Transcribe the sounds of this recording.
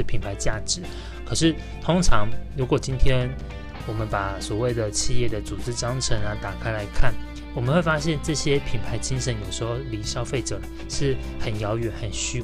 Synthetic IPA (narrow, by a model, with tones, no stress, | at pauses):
pʰi˨˩npʰa˧˥ɪt͡ɕja˥˩ʈ͡ʂɻ̩˨˦ | kʰɤ˨˩ʂɻ̩˥˩ | t̪ʰʊ˥ŋʈ͡ʂʰɑ˧˥ŋɻu˧˥kwɔ˨˩t͡ɕi˥nt̪ʰjɛ˥n | wɔ˨˩mə˦npa˨˩swɔ˨˩we˥˩ɪd̪ə˩t͡ɕʰi˥˧jɛ˥˩d̪ə˩t͡su˨˩ʈ͡ʂɻ̩˥ʈ͡ʂɑ˥ŋʈ͡ʂʰə˧˥nla˧˥t̪a˨˩kʰa˥ɪla˧˥ɪkʰa˥˩n | wɔ˨˩mə˧˦nxwe˥˩ɪfa˥ɕjɛ˥˧nʈ͡ʂɤ˥˩ɕjɛ˥pʰi˨˩npʰa˧˥ɪt͡ɕi˥nʂə˧˥njo˨˩ʊʂɻ̩˧˥xo˥˧˩ʊli˧˥ʂɑ˥ʊfe˥˩ɪʈ͡ʂɤ˨˩˦ʂɻ̩˥˩ | xə˨˩njɑ˧˥ʊɥɛ˧˥nxə˨˩nɕy˥